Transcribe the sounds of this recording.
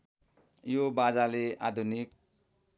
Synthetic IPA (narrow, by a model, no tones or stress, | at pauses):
jobad͡zaleʔa̰d̪ʱunik